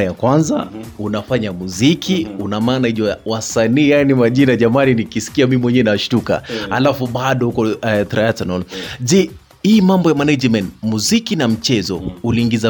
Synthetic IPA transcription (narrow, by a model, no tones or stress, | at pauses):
ajakwanza̰unafaɲamuzikʰiunamaːnaiʄwawasaniːjanimaʄinaʄamaninikisi̥kiamimimwɛɲɛnaʃtuka̰ha̰lafuɓaɗɔhukɔɛt̪ɾajatɔnald͡ʒi | himambɔjamanad͡ʒmɛntmuzikinam̩t͡ʃɛzɔuliːŋɡiza